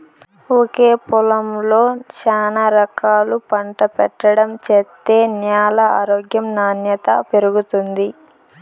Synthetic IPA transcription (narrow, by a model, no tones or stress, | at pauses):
oke̞ːpulɐmlo̞ːt͡ʃaːnɐɾɐkaːlupɐɳʈɐpɛʈːɐɽɐmt͡ʃet̪ːe̞ːnjaːlɐaːɾoːɡjɐmnaːnjɐt̪ɐ̰peɾuɡut̪und̪i